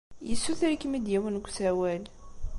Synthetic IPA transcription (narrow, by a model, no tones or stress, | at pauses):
jəsːuθæɾkːəmid̪jæwənɡʷsæwæl